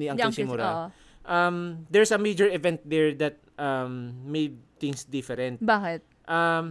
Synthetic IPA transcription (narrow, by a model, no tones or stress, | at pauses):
niɐŋsɪmʊɾa | ʔɐmd̪ɛɹsɐmejd͡ʒɛɹɛvɛ̃nt̪̚d̪ɛɹd̪ɐt̪̚ʔɐmːejd̪̚t̪ɪŋsd̪ɪfɛɾɛ̃nt̪baːkɪt̪̚ | ʔɐm